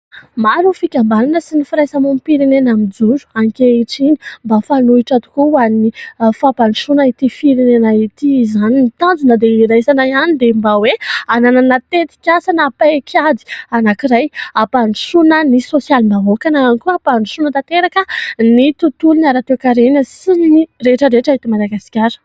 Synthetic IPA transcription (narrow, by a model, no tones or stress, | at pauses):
maɾufikʲambaninəsinifiɾajsamompiɾenenamid͡zuɾu̥aŋkeiʈ͡ʂini̥mbafanuiʈ͡ʂat̪u̥kuwanifapaniʃunait̪ifiɾenenait̪izanimit̪and͡zunəd̪eiɾajsanaianid̪embaweanananat̪et̪i̥kʲasanapaekʲʰad̪i̥anakiɾajapaniʃunənisosjalmaɦokanaanikuapaniʃunət̪at̪eɾakənit̪ut̪ulunaɾat̪ekaɾenəsinireʈ͡ʂəɾeʈ͡ʂait̪imalaɡaskʲaɾə̥